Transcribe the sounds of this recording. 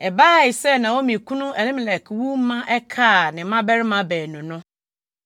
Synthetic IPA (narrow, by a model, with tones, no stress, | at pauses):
ɛ˨baː˦˨ɪ˨sɛ˦nã˨wo˦mĩ˨kʰu˦nʊ̃˦ʔæ˨lɪ̃˦m˨lɛ˨kʰwu˦mã˦ʔɛ˦kʰa˦˨nɪ̃˨mã˦bɛ˦ɾɪ˦mã˨bɛː˨nũ˨nʊ̃˦